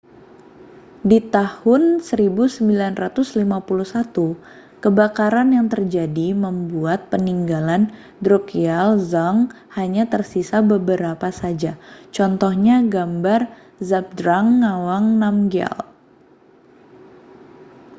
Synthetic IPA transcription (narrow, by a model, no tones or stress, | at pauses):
dit̪ahʊnsəɾibusəmbilanrat̪ʊslimapuluhsat̪u | kəbakaɾanjaŋt̪ərd͡ʒadiməmbuat̪̚pəniŋɡalan | dɾokialzaŋ | haɲat̪ərsisabəbəɾapasad͡ʒat͡ʃɔnt̪ɔhɲaɡambar | zap̚dɾaŋːawaŋnamɡia̰l